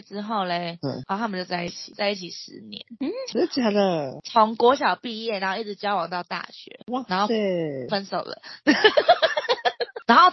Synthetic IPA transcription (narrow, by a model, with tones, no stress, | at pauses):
ʈ͡ʂɻ̩˥xo˥˩ʊle˧˩˧ɔ˧˩t̪ʰa˥mə˨t͡ɕjo˥˧ʊt͡sa˥˧ɪi˥˩t͡ɕʰi̥˨˩t͡sa˥˧ɪi˥˩t͡ɕʰi˨˩ʂɻ̩˧˦njɛ̰˧˦n̩˥˩˥t͡ɕja˧˥˦d̪ə˨t͡sʰʊ˧˦ŋkwɔ˧˥ɕjɑ˨˩ʊpi˥˧jɛ˥˩na˧˦nxo˥˧i˥˩ʈ͡ʂɻ̩˨˩t͡ɕjɑ˥ʊwɑ˨˩ŋt̪ɑ˥˧ʊt̪a̰˥˩ɕɥɛ̰˧˦wa˧˩na˧˥ŋxo˧˥˩e˥˧fə˦˥nso˨˩ʊlə̰˦ | na˧˥nxo˥˩ʊ